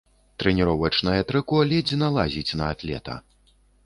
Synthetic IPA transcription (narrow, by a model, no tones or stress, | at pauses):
t̪ɾɛnʲiɾɔwɐt͡ʂnɐjɐt̪ɾɨkɔalʲɛd͡zʲinalˠazʲit͡sʲnɐːt̪lʲɛ̰t̪ɐ̰